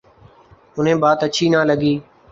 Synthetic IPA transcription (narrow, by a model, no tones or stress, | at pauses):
ʊn̤ẽːbaːt̪ət͡ʃʰiːnãːləɡiː